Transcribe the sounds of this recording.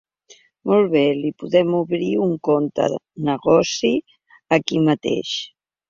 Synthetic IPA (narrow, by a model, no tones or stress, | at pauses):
molˠβelipuðɛmuβɾiuŋkont̪ə̰ | nəɣɔsi | əkimət̪ḛʃ